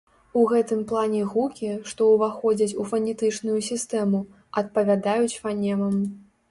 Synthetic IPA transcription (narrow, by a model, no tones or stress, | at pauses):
uɣɛt̪ɨmplˠanʲɛɣukʲiʂt̪ɔwvaxɔd͡zʲɐt͡sʲufɐnʲɛt̪ɨt͡ʂnujusʲist̪ɛmu | ɐt̪̚pɐvʲad̪ajut͡sʲfanʲɛmɐm